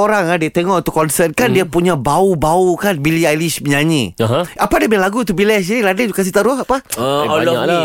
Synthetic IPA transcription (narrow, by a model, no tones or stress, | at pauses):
oɾaŋadiat̪eŋɔut̪ukːɔnsɛt̪̚kandiapuɲabaubaukanbiliajlisməɲaɲiɦapadabəɲlaɡut̪̬ubilɛs̬iladad͡ʒukans̬it̪aɾʊɦapa | a